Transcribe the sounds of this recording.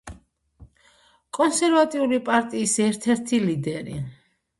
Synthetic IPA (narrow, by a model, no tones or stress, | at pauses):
kʼɔnsɛɾvat̪ʼiulipʼaɾt̪ʼiːsɛɾt̪ʰɛɾt̪ʰilid̪ɛɾḭ